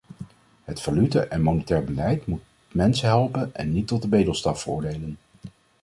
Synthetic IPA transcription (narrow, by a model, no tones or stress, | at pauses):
ɦətfalytəʔɛnmownətɛːɹbəlɛjtmut̚ | mɛnsəɦɛlˠpənɛnːitːɔt̚dəbejdəlˠstɑffəɹʊ̰ːɹdejlən